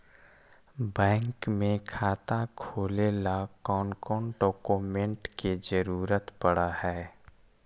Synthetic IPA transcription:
bɛ̃ːŋkmẽkʰaːt̪akʰoːlelakɔːnkɔːɳɖɔːkoːmẽɳʈked͡ʒəɾuːɾət̪bəɽahɛː

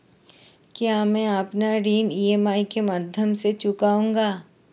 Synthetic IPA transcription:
kjaːmɛ̃ːəpnaɾiːniːeːmaːikemaːd̪ʱjəmset͡ʃʊkaːũːŋɡaː

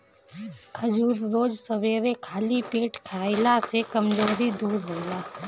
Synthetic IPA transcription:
kʰəd͡ʒuːɾɾoːd͡ʒsəʋeːɾekʰaːlipeːʈkʰaːɪlasekəmd͡ʒoːɾid̪uːɾɦoːlaː

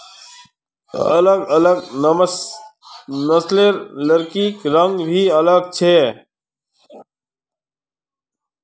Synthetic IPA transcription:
ə̰ləɡələɡ | nəsleɾləɾkiːkɾəŋɡbʱiːələɡ̚t͡ʃʰeː

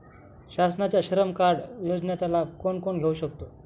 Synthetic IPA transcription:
ɕasnat͡ɕjaɕəɾəmkaɽjod͡znjat͡salab̚ʱkoɳkoɳɡʱeuɕəkt̪o

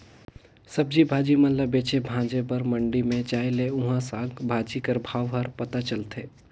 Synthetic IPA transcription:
səb̚d͡ʒibʱaːd͡ʒimənlləbeːt͡ʃebʱãːd͡ʒebəɾməɳɖimẽd͡ʒaːeleʊɦãsaːɡbʱaːd͡ʒikəɾbʱaːʋɦəɾpət̪at͡ʃəlt̪ʰeː

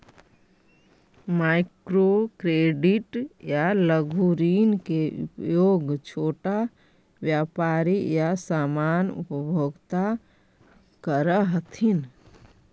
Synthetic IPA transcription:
maɪkɾokɾeːɖiʈjaləɡʱuɾiːnkeṵpjoːɡt͡ʃʰoːʈa | ʋjapaːɾijasaːmaːnṵpəbʱoːɡt̪a | kəɾəɦət̪ʰin

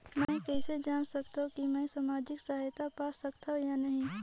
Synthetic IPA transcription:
mɛ̃ːkɛːsed͡ʒaːnsɐkt̪aɦõkimɛ̃ːsaːmaːd͡ʒɪksaɦaːjt̪apaːsɐkt̪aɦũjanɐɦĩ

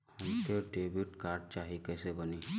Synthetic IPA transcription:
hʊnt̪eʈeːbiʈkaːɾɖ̚t͡ʃaːɦikɛːsebəni

